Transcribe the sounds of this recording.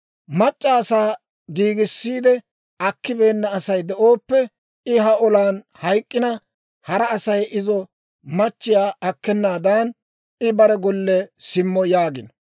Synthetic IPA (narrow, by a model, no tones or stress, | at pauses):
mɐt͡ʃʼːaːsaː | ɡiːɡɪsːiːd̪ɛ | ʔɐkːɪbe̞ːnːɐːsɐjd̪ɛʔo̞ːpːɛ | ɪɦɐɔlaːn | hɐjkʼːɪnɐ | hɐɾɐːsɐjɪzɔ | mɐt͡ʃːɪjaːʔɐkːɛnːaːd̪aːn | ɪbɐɾɛɡɔlːɛsɪmːɔjaːɡɪnɔ